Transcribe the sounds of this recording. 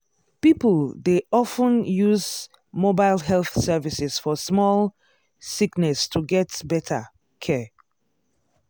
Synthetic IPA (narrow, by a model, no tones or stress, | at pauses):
pipəldeʔɔfə̃njuz | mobaɪlˠɦɛlθsɛvisɪz̥fɔsmɔl | siknɛstʰuɡɛtbɛtʰə̰ | kʰɛ